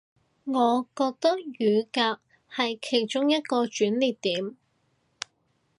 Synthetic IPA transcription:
ŋɔː˨˧kɔː˧k̚t̪ɐ˥k̚jyː˨˧kaː˧k̚ | hɐ˨jkʰe˨˩jt͡ʃʊ˥ŋjɐ˥t̪̚kɔː˧t͡ʃyː˨˥nliː˨tt̪iː˨˥m

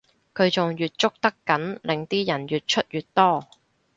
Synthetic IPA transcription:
kʰɵ˨˧ɥt͡sʊ˨ŋjyː˨t̚t͡sʊ˥k̚t̪ɐ˥kːɐ˨˥nlɪ˨ŋt̪iː˥jɐ˨˩njyː˨t̚t͡ʃʰɵ˥t̚jyː˨t̚t̪ɔː˥

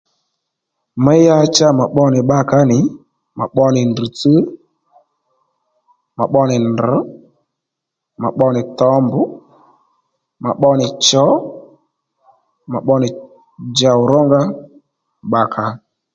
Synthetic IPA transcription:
mɛ˦ja˦t͡ʃa˦ma˨ɓɔ˦nɪ˨ɓa˦ka˦nɪ˨˦ | ma̰˨ɓɔ˦nɪ˨nd̩˨t͡sə˦ | ma̰˨ɓɔ˦nɪ˨nd̩˨˦ | ma̰˨ɓɔ˦nɪ˨tɔ˦mbʊ˦ | ma̰˨ɓɔ˦nɪ˨t͡ʃɔ˨˦ | ma˨ɓɔ˦nɪ˨ | d͡ʒa˨ʊ˨ɾɔ˦ŋɡa˦ | ɓa˨kʰa˨˦

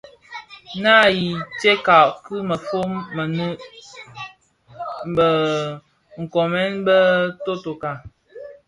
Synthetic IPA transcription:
na˦˨ji˨t͡ʃe˦ka˨ʔkɨ˦mə˨fo˦mːə˨nə˦ | bə˨ | ŋ̩˨kɔ˨mɛ˦nbə˦to˦to˨ka˨

